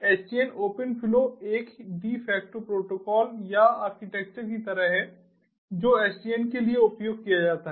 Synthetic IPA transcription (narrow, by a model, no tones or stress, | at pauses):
ɛːsʈiənoːpənpʰɪloeːkɖiːfʰɛːk̚ʈopɾoːʈoːkɔːljaaːɾkɪʈɛːk̚t͡ʃəɾkit̪ɐɾəɦɦɛ | d͡ʒoːɛːsʈiənkelieʊpjoːɡ̚kijad͡ʒaːt̪aɦɛ